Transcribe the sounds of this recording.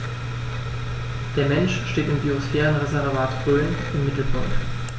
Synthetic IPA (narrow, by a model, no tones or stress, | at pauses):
d̥eːɐmɛnʃʃteːtɪmbiːosfɛːʁənʁezɛʁvaːtfʁøːn | ɪmːɪtl̩pʰʊŋkt